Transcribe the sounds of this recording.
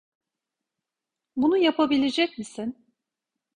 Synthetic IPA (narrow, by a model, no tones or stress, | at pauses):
bunujapʰabilʲed͡ʒɛcmisin